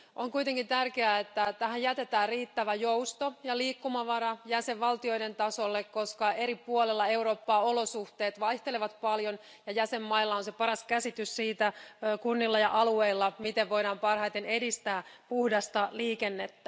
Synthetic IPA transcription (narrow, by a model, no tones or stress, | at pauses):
ʔoŋkujt̪eŋkint̪ærkeæet̪ːæt̪æhæjjæt̪e̞t̪æːrriːt̪ːæʋæjoust̪ojɑliːkːumɑʋɑɾɑjæseʋʋɑlt̪io̞jde̞nt̪ɑsolːekko̞skɑeɾipuolelːɑe̞uɾo̞ːpːɑːo̞lo̞suht̪e̞ːt̪ʋɑjht̪eleʋɑt̪pɑljon | jɑjæsemːɑilːɑonsepɑɾɑskæsit̪yssiːt̪ækunːilːɑjɑʔɑlueilːɑmit̪eʋʋo̞jɾɑːmpɑrhɑjt̪enedist̪æːpuhdɑst̪ɑliːkenːet̪ːæ̥